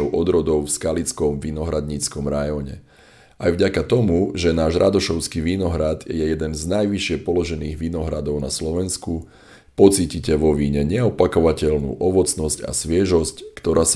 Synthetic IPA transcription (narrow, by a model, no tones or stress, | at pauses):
ɔʊʔɔd̪ɾɔd̪ɔʊfskalit͡skɔmʋinɔɦɾad̪ɲit͡skɔmɾajɔɲɛ̰ | ajvɟakat̪ɔmuʒɛnaːʒɾad̪ɔʃɔʊskiʋinɔɦɾad̪ɛjɛjɛd̪ɛnznajʋiʃɪɛpɔlɔʒɛniːɣʋinɔɦɾad̪ɔʊnaslɔʋɛnsku | pɔt͡siːcicɛʋɔʋiːɲɛɲɛɔpakɔʋacɛlnṵːʔɔʋɔt͡snɔsca̰sʋɪɛʒɔsckt̪ɔɾʔaːs